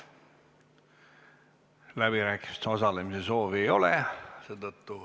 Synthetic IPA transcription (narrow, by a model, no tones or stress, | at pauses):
læb̥iɾæːkːˑi̥mi̥st̪sɑsɑlemiseso̞ːviejo̞leseːd̪ɤt̪ːu